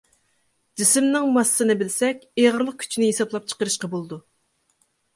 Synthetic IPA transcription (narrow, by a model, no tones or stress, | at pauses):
d͡ʒɪsɪmnɪŋmɑsːɨnɨbɪlsɛkʲeʁəɾlˠəq̚kʲʰy̥t͡ʃʰinɪɦesɑplˠɑp̚t͡ʃʰə̥qəɾɨʃqɑbolˠɨd̪u